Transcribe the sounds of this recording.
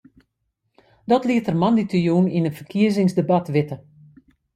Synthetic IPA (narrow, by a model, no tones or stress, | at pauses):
dɔtliətərmanditʰəjuninətfərkʰiəzɪŋsdəbatʋɪtə